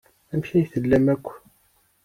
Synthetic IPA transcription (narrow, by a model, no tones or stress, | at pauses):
æmçæjθəlːæmækʷː